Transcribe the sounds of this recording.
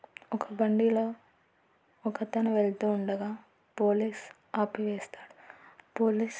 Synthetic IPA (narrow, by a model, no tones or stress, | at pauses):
ɔkʰɐbɐɳɖilo̞ː | kɐt̪ɐnɐʋeɭt̪uːɳɖɐɡaː | poːliːs | aːpiʋeːst̪aːɽupoːliːs